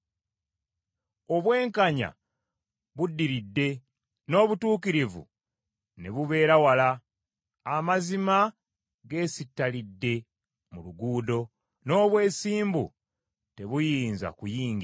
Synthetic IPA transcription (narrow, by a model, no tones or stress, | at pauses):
o̞βwe̞ːŋkaɲa̰ | βudːiɾidːe̞ | no̞ːβutuːkiɾivṵ | ne̞̰βuβe̞ːɾawalaː | mazima | ɡe̞ːsitːalidːe̞ | muluɡuːdo̞ | no̞ːβwe̞ːsiːmbṵ | te̞βujiːnza̰kujiːŋɡ